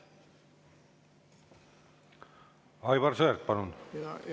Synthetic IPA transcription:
ɑjβɑrsøːɾt̪̚pɑnun

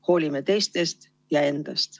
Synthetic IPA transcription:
ho̞ːlʲimet̪e̞jst̪e̞st̪ | jɑe̞nd̪̥ɑst̪

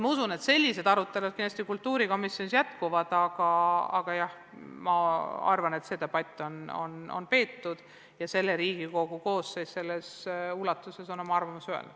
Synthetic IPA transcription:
mɑusune̞t̪se̞lʲːise̞d̪̥ɑɾut̪ːˑe̞lud̪kind̪̥ɑsʲt̪ikult̪ːuːɾiko̞misjonisjæt̪kuvɑd̪̥ɑɡ̥ɑɑ̰ɡ̥ɑjɑh | mɑɑ̰rvɑne̞t̪se̞t̪ɑb̥ɑt̪ʲːˑo̞no̞̰no̞̰npe̞ːt̪ːud̪̥ | jɑse̞lːe̞ɾiːɡ̥iko̞ɡuko̞ːsːejsse̞lːesulɑt̪ːˑuse̞sonomɑɑrvɑmusyḛlnud̪̥

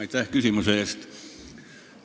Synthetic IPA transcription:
it̪æhkysimyseːˑst̪

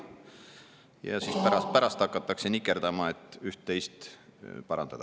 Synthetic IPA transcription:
jɑ̰siːspæɾɑspæɾɑst̪ɑkːˑɑt̪ːˑɑkse̞nikːˑe̞ɾd̪ɑmɑe̞t̪ːˑyht̪ːe̞jst̪pɑɾɑ̰nd̪ɑd̪ɑ

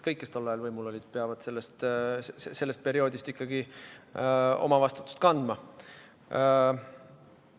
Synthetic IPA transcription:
kɤjkːˑest̪o̞lːɑjɑlvɤjmulo̞lʲid̪̥peɑvɑd̪̥se̞lːest̪sse̞lːest̪̚pe̞ɾio̞ːd̪ist̪ikːɑɡi | o̞̰mɑvɑst̪u̥t̪ːˑu̥st̪kɑnd̪̥mɑ

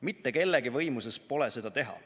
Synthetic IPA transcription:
mit̪ːe̞ke̞lːeɡivɤjmusespo̞lese̞d̪ɑt̪eɦɑ̰

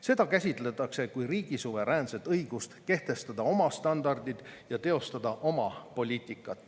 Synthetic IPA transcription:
se̞d̪ɑkæsʲit̪ˑlet̪ːˑɑkse̞kujɾiːɡ̥isuve̞ɾæːnse̞t̪ːˑɤjɡ̥ust̪ke̞ht̪e̞st̪ɑd̪̥ɑo̞mɑst̪ɑnd̪ɑrd̪̥id̪̥jɑt̪e̞o̞st̪ɑd̪̥ɑʔo̞mɑpo̞lʲiːt̪ˑikːˑɑt̪ːˑ

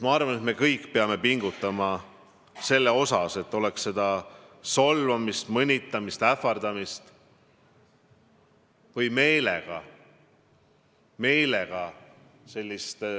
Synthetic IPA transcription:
mɑɑrvɑne̞t̪me̞kɤjkːˑpe̞ɑme̞piŋɡ̥ut̪ːˑɑmɑ | se̞lːeo̞sɑse̞t̪ːˑo̞leksːe̞d̪̥ɑso̞lvɑmist̪mɤnʲit̪ˑːɑmist̪æfɑrd̪ɑmist̪ | vɤjme̞jleɡ̥ɑ | me̞jle̞ɡ̥ɑ | se̞lʲːist̪

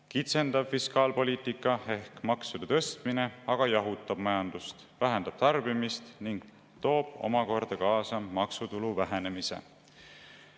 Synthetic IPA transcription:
kit̪se̞nd̪̥ɑb̥fiskɑːlpo̞lʲiːt̪ˑikːˑɑe̞hkmɑksud̪̥ɑt̪ɤ̞st̪mine̞ɑɡ̥ɑjɑɦut̪ːˑɑb̥̚mɑjɑnd̪̥ust̪ | væɦend̪̥ɑb̥̚t̪ɑrb̥imist̪niŋɡ̥̚ | t̪o̞ːb̥o̞̰mɑko̞rd̪̥ɑkɑːsɑmɑksut̪uluvæɦene̞misḛ

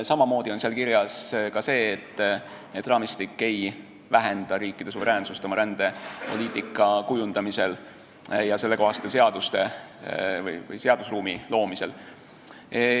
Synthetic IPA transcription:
sɑmɑmo̞ːd̪̥io̞nselkiɾjɑskɑse̞ːt̪ː | et̪ːˑrɑːmist̪ikːe̞j | væɦe̞nd̪̥ɑɾiːkːˑid̪̥e̞suve̞ɾeːnsust̪o̞mɑɾænd̪̥e̞po̞liːt̪ˑikːˑɑkujund̪̥ɑmise̞l | jɑse̞lːe̞ko̞ɦɑst̪ːese̞ɑd̪̥ust̪e̞ | vɯ̰jvɯ̰jse̞ɑd̪̥usruːmilo̞ːmise̞l

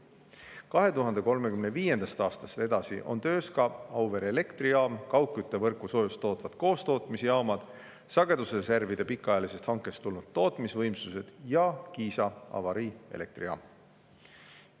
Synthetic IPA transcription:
kɑɦe̞t̪uɦɑnd̪e̞ko̞lmekymneviːje̞nd̪̥ɑst̪ɑːst̪ɑst̪e̞d̪̥ɑsḭʔo̞̰nt̪ø̞ːskɑɑwve̞ɾele̞kt̪riɑːmkɑwkːˑyt̪ːe̞vɤrkːˑuso̞ːjust̪ːˑo̞ːt̪ˑvɑd̪̥ko̞ːst̪o̞ːt̪ˑmisejɑmɑd̪̥ | sɑɡ̥e̞d̪usreservid̪e̞pikːˑɑjɑlise̞st̪hɑŋkːˑe̞st̪ulnud̪̥̚t̪o̞ːt̪ˑmisvɤjmsuse̞d̪̥jɑkiːsɑɑ̰vɑɾiḛle̞k̚t̪riɑ̰ːm

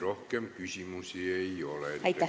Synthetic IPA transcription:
rohkempkysymusieiolet̪æit̪ːæ

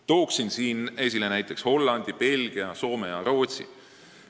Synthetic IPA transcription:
t̪o̞ːksinsiːne̞s̬ʲilenæjt̪ːˑe̞ksho̞lːɑnd̪̥ipe̞lʲɡ̥iɑso̞ːmejɑɾo̞ːt̪sḭ

